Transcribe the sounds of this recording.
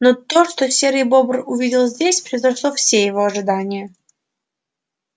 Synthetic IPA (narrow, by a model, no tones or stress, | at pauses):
not̪oʂt̪osʲeɾəjbobrʊvʲidʲɪlˠzʲdʲesʲpɾʲɪjzɐʂlˠofsʲejɪvo̞ɐʐɨd̪anʲɪjə